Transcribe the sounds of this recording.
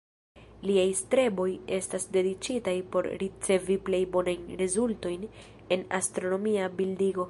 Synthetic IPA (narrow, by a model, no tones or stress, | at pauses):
liajstɾe̞bo̞je̞stasde̞dit͡ʃitajpo̞ɾɾit͡se̞viple̞jbo̞najnɾezulto̞jn | e̞na̰stɾo̞no̞miabildiɡo̞